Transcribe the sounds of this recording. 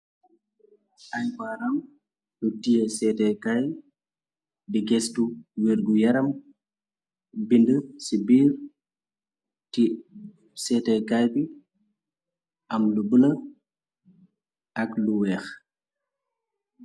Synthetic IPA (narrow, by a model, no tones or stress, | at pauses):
ʔɐjbaːɾɐm | lutijɛsɛːtɛkaj | biɡɛstuwiɾɡujɐɾɐm | bindəsibiːɾ | ti | sɛtɛkajbi | ʔɐmlubələ | ʔɐkluwɛːx